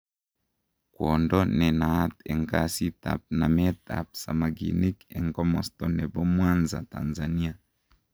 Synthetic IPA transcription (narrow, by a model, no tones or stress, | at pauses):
kwɔndɔnɛnaatɛŋkasita̰p̚namɛta̰p̚sa̰maɡḭnikɛ̰ŋkɔmɔstɔnɛbɔmwanza̰ta̰nzania